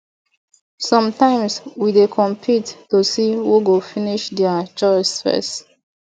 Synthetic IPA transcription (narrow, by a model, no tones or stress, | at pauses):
sɔ̃mtãɪ̃mswidekʰɔ̃mpʰitːusiwuɡofiniʃdɛət͡ʃɔɪsfɛ̰st